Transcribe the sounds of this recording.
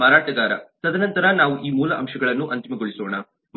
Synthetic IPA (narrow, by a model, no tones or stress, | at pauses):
aːɾaːʈɐɡaːɾɐ̰t̪ɐd̪ɐnɐnt̪ɐɾanaːʋuʔiːmuːlɐʔɐmʂɐɡɐɭɐnːuʔɐnt̪imɐɡoɭisoːɳa | m